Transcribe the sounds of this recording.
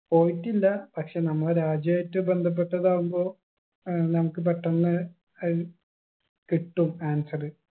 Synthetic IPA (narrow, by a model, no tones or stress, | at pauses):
po̞ːjitːilːɐpɐkʂe̞ːnɐmːɐɭɾaːd͡ʑjɐːjtːɨbe̞nd̪ʱɐp̬ːe̞ʈːɐðaːʋumbo̞ː | nɐmukːɨp̬ɐʈːɐnːɨ | ɐ | kiʈːumaːnsɐrɨ